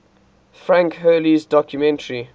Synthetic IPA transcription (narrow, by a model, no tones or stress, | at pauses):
fɹãŋkɦɜːlizdɔkʰjumɛ̃ntəɹi